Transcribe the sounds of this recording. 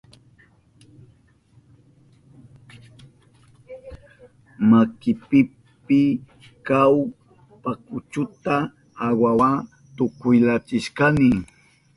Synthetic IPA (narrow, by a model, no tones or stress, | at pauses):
makɪpɪ | pɪ | kaw | pakʊt͡ʃʊt̪aː | wawa | t̪ʊkʊjlat͡ʃɪʃkanɪ